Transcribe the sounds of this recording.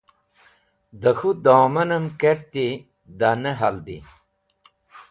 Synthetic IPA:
d̪ɐxud̪oːmɐnɐmkeɾt̪i | d̪aneɦɐld̪ḭ

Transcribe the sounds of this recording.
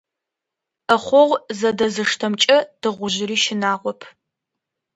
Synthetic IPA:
əχʷɔʁʷzɐdɐzɨʂtʰɐmt͡ʃʼɐd̥ɨʁʷʊʒɪɾiːʃɪnaːʁʷɔpʰ

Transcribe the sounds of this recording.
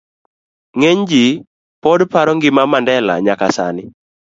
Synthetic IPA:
ŋeɲd͡ʒi | pɔdpaɾɔŋɡɪmamandɛla̰ɲakasa̰nɪ

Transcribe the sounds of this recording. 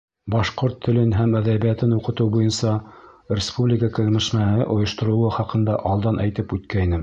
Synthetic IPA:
bɑʃqoɾt̪ʰːɵ̆lɘnɦæmæðæβijæt̪ɘnuqɤ̆t̪ɤwbujɤnsɑrʲɪspublʲɪkəkɘ̆ɣ̆mɘ̆ʃmæhɘʔŏjŏʃt̪ŏɾɤ̆wɤχɑqɤ̆nd̪ɑʔɑlˠd̪ɑnʔæjt̪ɘpʉt̪̚kæinɘ

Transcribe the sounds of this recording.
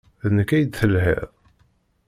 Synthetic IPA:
ðənəkːæjəd̪θəlhɛ̰ðˤ

